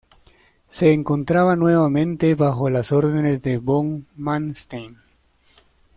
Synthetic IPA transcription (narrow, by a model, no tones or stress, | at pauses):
se̞ːŋko̞nt̪ɾaβanwe̞βamẽ̞nt̪e̞βaxo̞laso̞ɾðenezd̪e̞boŋmanst̪ejn